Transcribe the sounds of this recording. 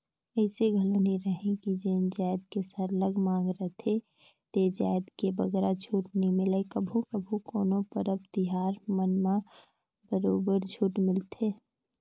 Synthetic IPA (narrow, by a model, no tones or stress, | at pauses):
əɪseɡʱəlniɾəɦẽkid͡ʒend͡ʒaːɪd̪kesəɾləɡmãːŋɡɾət̪ʰe | t̪ed͡ʒa̰ːɪd̪kebəɡɾad͡ʒʱuːʈnəɦĩmɪləkəbʱũkəbʱũkoːnõpəɾəbt̪ɪɦaːɾmənmã | bəɾoːbəɾd͡ʒʱuːʈmɪlt̪ʰeː